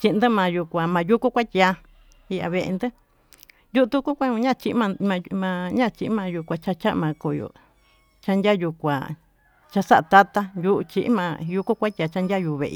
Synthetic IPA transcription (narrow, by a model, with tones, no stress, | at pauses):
t͡ʃi˧ʔnd̪ɨ˦mã˨˧ju˧kʷã˨mã˨˧ju˦ku˦kʷa˦t̪ʲja˧ | i˧a̰˧βe˧ʔḛ˧nd̪ɨ˦ | ju˦˧t̪u˦ku˦kʷa˧˦ɲũ˧ɲã˦˧t͡ʃi˧ʔmã˧ã˧mã˧ɲã˦˧t͡ʃi˧ʔmã˧ju˧kʷa˧t͡ʃa˦t͡ʃa˦ʔmã˧ko˨jo̰˨ | t͡ʃa˦ndʲa˦ju˧kʷa˨ | t͡ʃa˧sa˦ʔa˧t̪a˦t̪a˧ju˦ʔt͡ʃḭ˧ʔmã˧ju˧ku˦kʷa˦t̪ʲa˧t͡ʃa˦ndʲa˦ju˧βḛ˧ʔḭ˧